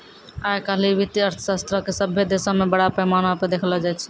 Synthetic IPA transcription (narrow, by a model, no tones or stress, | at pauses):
ajkaɦliʋit̪iəɾt̪ʰəsast̪ɾəkesəbʱːed̪esəmebəɽapɛmanaped̪ekʰlɔd͡ʒajt͡ʃʰ